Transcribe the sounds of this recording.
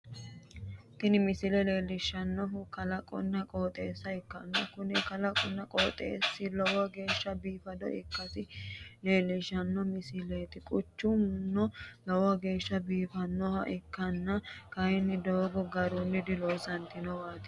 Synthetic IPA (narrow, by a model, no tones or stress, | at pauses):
t̪ɪnɪmɪsɪlɛle̞ːlːɪʃːɐnːɔɦʊkɐlɐkʼɔ̰nːɐkʼoːt̪ʼeːsːɐɪkːɐnːɐkʊnɪkɐlɐkʼɔnːɐkʼoːt̪ʼḛːsːɪlɔwɐɡe̞ːʃːɐbiːfɐd̪ɔ̰ɪ̰kːɐsɪle̞ːlːɪʃːɐnːɔmɪsɪleːt̪ɪkʼʊt͡ʃːʊnnːɔlɔwɐɡe̞ːʃːɐbiːfɐnːɔhɐ̰ʔɪkːɐnːɐkɐjɪnːɪd̪oːɡɔɡɐɾunːɪd̪ɪloːsɐnt̪ɪnɔwaːt̪ɪ̥